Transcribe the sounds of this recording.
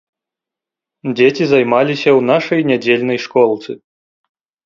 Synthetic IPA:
d͡zʲet͡sʲizajmalʲisʲɐwnaʂɐjnʲad͡zʲelʲnɐjʂkɔlˠt̪sɨ

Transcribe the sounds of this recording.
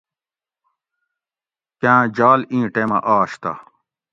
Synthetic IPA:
kãːd͡ʑaːlĩːʈemɐ̰ʔaːɕt̪a̰

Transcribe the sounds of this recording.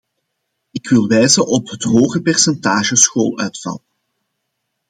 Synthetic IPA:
ɪkʋɪlˠʋɛjzəʔɔpɦətɦoːɣəpɛrsɛntaːʒəsxoːlœ̰ɥtfɑ̰lˠ

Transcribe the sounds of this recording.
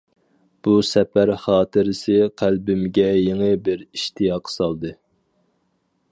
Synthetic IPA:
b̥usɛpæɾχɑːt̪ʰɨɾɪsɪqʰælbɪmɡʲɛjeŋɨbɪɾiʃt̪ʰijɑqʰsɑlˠd̪ɨ

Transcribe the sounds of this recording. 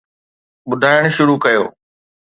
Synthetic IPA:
ɓʊd̪ʱaːɪɽ̃ʃʊɾukɐjo̰ː

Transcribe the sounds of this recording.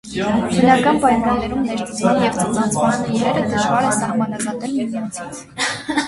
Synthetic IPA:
bənɑkɑnpɑjmɑnːɛɾumnɛɾkut͡smɑnjɛvt̪ənɑnt͡sʰmɑniɾɛɾəd̪əʒvɑɾɛnsɑhmɑnɑzɑnɛlmɛmɑnt͡sʰit͡sʰ

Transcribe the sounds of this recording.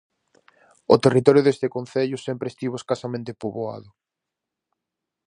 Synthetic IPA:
ot̪erit̪ɔɾjʊðest̪ekõnθeʎʊsempɾest̪iβoeskasamẽnt̪epoβoa̰ðʊ

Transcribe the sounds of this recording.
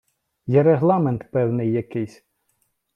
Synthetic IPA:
jɛɾeɦlˠɑment̪pɛwnɪjːɐkɪjsʲ

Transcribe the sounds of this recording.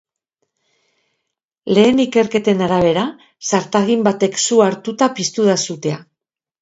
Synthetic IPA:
le̞ːnike̞ɾke̞t̪e̞naɾaβ̞e̞ɾa | saɾt̪aɣimbat̪e̞ksuaɾt̪ut̪apist̪uðasut̪e̞a

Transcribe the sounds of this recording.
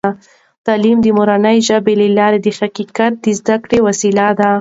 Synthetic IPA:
a | t̪ɑlimd̪əmoɾanəjʒəbelelɑɾed̪əxakikat̪̚d̪əzd̪akɽewasilad̪a

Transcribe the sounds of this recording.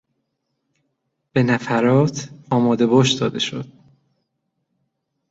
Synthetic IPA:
b̥e̞næfæɾɒːt̪ʰɒːmɒːd̪e̞bɒːʃd̪ɒːd̪e̞ʃo̞̰d̪̥̚

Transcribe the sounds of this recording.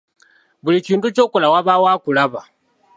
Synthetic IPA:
bulit͡ʃiːntut͡ʃɔkulawaβawakuɺaβa

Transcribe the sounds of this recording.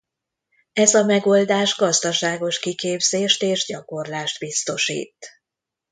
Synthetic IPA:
ɛzɒmɛɡoːld̪aːʒɡɒzd̪ɒʃaːɡo̞ʃkikeːbz̥eːʃt̪eːʒɟɒko̞rlaːʃt̪bist̪o̞ʃḭːt̪

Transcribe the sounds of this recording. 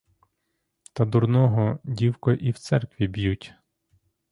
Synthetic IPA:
t̪ɐd̪uɾnɔɦɔdʲiwkɔʔiwt̪sɛrkʋʲibjutʲ

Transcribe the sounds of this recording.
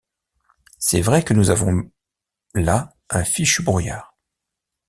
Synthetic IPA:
sɛvʁɛkənuzavɔ̃ | la | ɛ̃fiʃbʁujaːʁ

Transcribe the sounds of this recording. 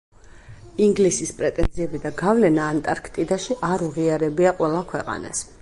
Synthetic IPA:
iŋɡlisispʼɾɛt̪ʼɛ̰nd̪ziɛbid̪aɡavlɛnaːnt̪ʼaɾkʰt̪ʼid̪aʃiʔaɾuʁiaɾɛbiaqʼwɛlˠakʰwɛqʼa̰na̰s

